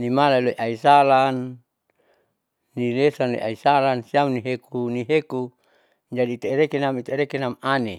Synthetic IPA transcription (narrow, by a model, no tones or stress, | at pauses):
nimalailoiʔaisalan | ilesanlḛʔa̰isalansiamniɦekuniɦeku | d͡ʒadiːt̪eɾekenamit̪eɾekenamane